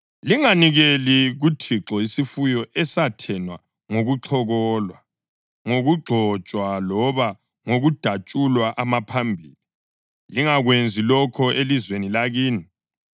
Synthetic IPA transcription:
liŋaniɣeliɣutʰiǁɔisifujɔʔɛsatʰɛnwa̰ | ŋoɣuǁʰɔɣɔːlwa | ŋoɣuɡ͡ǃʱɔt͡ʃʼwalɔβa | ŋoɣud̥ʱat͡ʃʼulwaʔamapʰambʱḭli | liŋaɣwend͡zʱilɔkʰɔʔelizwenilaɣiːni

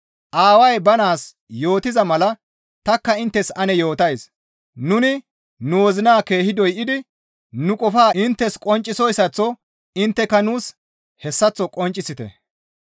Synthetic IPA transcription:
ʔaːwɐjbɐnaːs | jo̞ːt̪ɪzɐmɐlɐ | t̪ɐkːɐɪnt̪ːɛsɐnɛjo̞ːt̪ɐjs | nʊnɪ | nuwɔzɪnaːke̞ːhɪd̪ɔjʔɪd̪ɪ | nʊkʼɔfaːʔɪnt̪ːɛskʼɔnt͡ʃʼːɪsɔjsːɐt͡sːɔ | ɪnt̪ːɛkːɐnuːs | hɛsːɐt͡sːɔkʼɔnt͡ʃʼɪsɪt̪ɛ̰

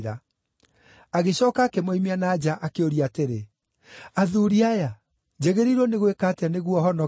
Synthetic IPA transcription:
a | aɣeɕɔːkaːkɛmoimianaːd͡ʑaʔakeoɾiateɾe | aðuɾiaja | d͡ʑeɣeɾiɾwɔneɣwekaːteaneɣwɔhɔnɔ

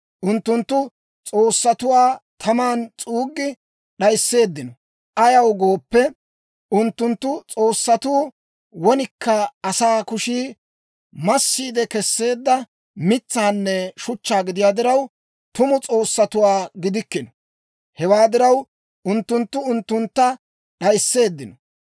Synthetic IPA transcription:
ʔʊnt̪ːʊnt̪ːʊ | t͡sʼo̞ːsːɐt̪ʊwaːt̪ʰɐmaːnt͡sʼuːɡːɪ | ɗɐjsːe̞ːd̪ːɪnɔ | ʔɐjɐwɡo̞ːpːɛ | ʔʊnt̪ːʊnt̪ːʊt͡sʼo̞ːsːɐt̪uː | wɔnɪkːɐɐsaːkʊʃiː | mɐsːiːd̪ɛkɛsːe̞ːd̪ːɐ | mɪt͡sːaːnːɛʃʊt͡ʃːaːɡɪd̪ɪjaːd̪ɪɾɐw | t̪ʊmʊt͡sʼo̞ːsːɐt̪ʊwaːɡɪd̪ɪkːɪnɔ | hɛwaːd̪ɪɾɐw | ʔʊnt̪ːʊnt̪ːʊʊnt̪ːʊnt̪ːɐ | ɗɐjsːe̞ːd̪ːɪnɔ

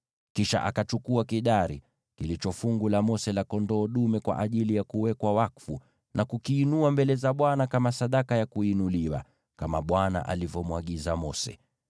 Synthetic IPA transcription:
kiʃa̰ʔakat͡ʃukuakiɗaɾḭ | kilit͡ʃɔfuŋɡulamɔsɛlakɔndɔːɗumɛkwa̰ʔaʄilijakuwɛkwawakfu | nʔakukiːnuambɛlɛzaɓwanakamasaɗakajakuinuliwa̰ | kamaɓwana̰ʔa̰livɔmwaɠizamɔsɛ̰

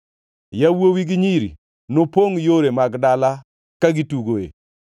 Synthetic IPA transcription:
jawowiɡiɲiɾḭ | nopoŋjoɾemaɡdala | kaɡituɡoḛ

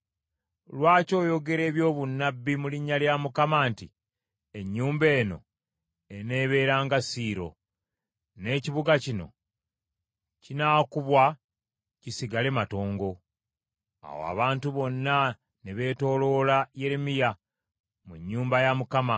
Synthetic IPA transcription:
lwaːco̞ːjo̞ɡe̞ɾe̞ːβjo̞ːβunːabːimuliɲːaljamukamaːnti | eɲːuːmbe̞ːno̞̰ | e̞ne̞ːβe̞ːɾaːŋɡasiːɾo̞ | ne̞ːciβuɡacino̞̰ | cinaːkuβwa | cisiɡale̞mato̞ːŋɡo̞ | a̰wo̰a̰βaːntuβo̞nːa | neβe̞ːto̞ːlo̞laje̞ɾemija | muɲːuːmbajamukama

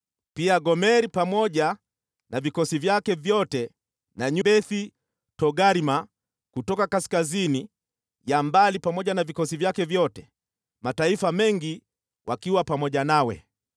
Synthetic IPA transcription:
piaɡɔmɛɾipamɔʄa | navikɔsivjakɛvjɔtɛ | naɲubɛθi | tɔɡaɾima | kutɔkakaskazini | jambalipamɔʄanavikɔsivjakɛvjɔtɛ | mataifamɛŋɡi | wʔakiwapamɔʄanawɛ̰

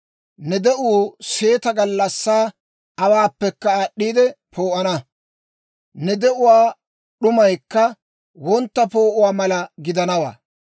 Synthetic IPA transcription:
nɛd̪ɛʔuːse̞ːt̪ɐɡɐlːɐsːaː | ɐwaːpːɛkːɐaːɗːiːd̪ɛpʰo̞ːʔɐnɐ | nɛd̪ɛʔʊwaː | ɗʊmɐjkːɐ | wɔnt̪ːɐpo̞ːʔʊwaːmɐlɐɡɪd̪ɐnɐwa̰ː

